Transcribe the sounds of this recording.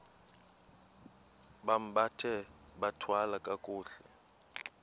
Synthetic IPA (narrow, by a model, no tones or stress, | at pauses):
ɓam̩ɓatʰɛɓatʰwalakʼakʼuːɬɛ